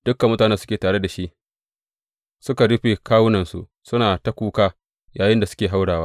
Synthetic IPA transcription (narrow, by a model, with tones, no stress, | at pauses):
d̥ʊ˦kːa˨mːʊ˦taː˨nɛ˦sʊ˦kʲeː˨taː˨ɽe˦da˨ʃi˦ʔ | sʊ˦ka˨ɽʊ˦ɸeː˨kaː˦wʊ˦nɐ˨nsṵ˦ʔ | sʊ˦naː˨ta˦kʷuː˦kaː˦ | jaː˨jɪ˦nda˨sʊ̥˦kʲeː˨ɦa˦wɽaː˨waː˦